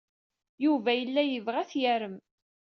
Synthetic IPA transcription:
juvæjəlːæjəvʁæθjæɾəm

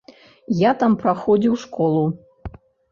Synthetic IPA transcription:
jat̪ampɾaxɔd͡zʲiwʂkɔlˠu

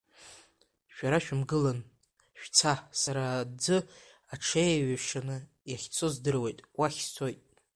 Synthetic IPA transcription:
ʃᶣaɾaʃᶣmɡɨlan | ʃᶣt͡sʰasaɾad͡zɨ | aʈ͡ʂʰejaɥaʂanɨ | jaχʲt͡sʰozdɨrwe̞jtʼwaχʲst͡sʰojtʼ

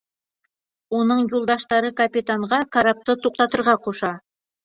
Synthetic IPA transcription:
unɤɴjulˠd̪ɑʃt̪ɑɾɤkapʲɪt̪aɴʁɑkaɾap̚t̪ɤt̪uq̚t̪ɑt̪ɤ̆ɾʁɑquʃɑ

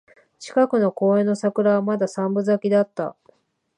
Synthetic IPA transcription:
t͡ɕi̥kakɯ̟no̞ko̞ːẽ̞nːo̞sakɯ̟ɾaβamad̪asãmbɯ̟zakʲid̪at̪ːa̰

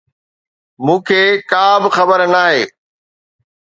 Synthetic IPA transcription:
mũːkʰeːkaːbɪxɐbəɾnaːɦeː

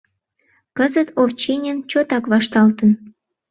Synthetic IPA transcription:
kəzət̪ʰoft͡ɕenʲənt͡ɕot̪ɑkβɑʃt̪ɑlt̪ən

